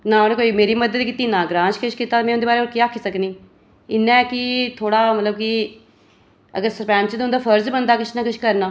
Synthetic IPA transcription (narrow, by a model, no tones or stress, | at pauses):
naːonẽːkoːiːmeːɾiːməd̪əd̪ːkɪt̪iːnãːɡɾãːnʃkəʃkit̪aːmɛ̃ːʊnd̪eːbaːɾeːoːɾkiaːkʰiːsəkniː | ɪnːɛ̃ːkɪt̪ʰoːɽaːmət̪ləbkɪ | ə̰ɡəɾsəɾpɛ̃ːnt͡ʃəd̪ʊ̃nd̪aːpʰəɾzbənd̪aːkɪʃnãːkɪʃkəɾnaː